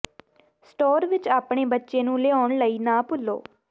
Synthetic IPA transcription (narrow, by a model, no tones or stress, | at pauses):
sʈoːɾʋɪt͡ʃaːpɳeːbətːʃeːnũːleːɔːɳləiːnãːpʊlːo̰ː